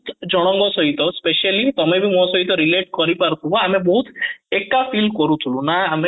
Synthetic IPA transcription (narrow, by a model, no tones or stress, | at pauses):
t̪d͡ʒɔɽ̃ɔ̃ŋɡɔsɔɦit̪ɔspeʃalit̪ɔmebʱimɔ̃sɔɦit̪̬ɔɾileʈkɔɾipaɾkʰubɔamebɔɦut̪ekːafʰilkɔɾut̪ʰulũnaame